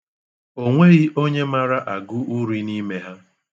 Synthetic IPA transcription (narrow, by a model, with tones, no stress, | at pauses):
o˦ŋʷe˦ɣi˦ʔo˦ɲe˦ma˦ɾa˦ʔa˨ɡʊ˦ʔu˦ɾi˦ni˦me˦ɦa˦